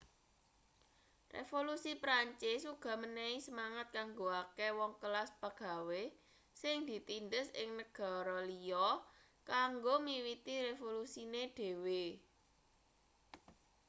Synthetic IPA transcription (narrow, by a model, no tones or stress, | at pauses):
rḛfolusipɾaɲt͡ʃɪsuɡ̥ɔ̤mənɛisəmaŋat̪̚kaŋɡoakewɔŋkəlasb̥aɡ̥ä̤we | sɪŋd̪̥i̤t̪ind̪əsɪ̰ŋnəɡ̥ɔ̤ɾɔliɔ | kaŋɡomiwit̪iɾefolusineɖ̪̥e̤we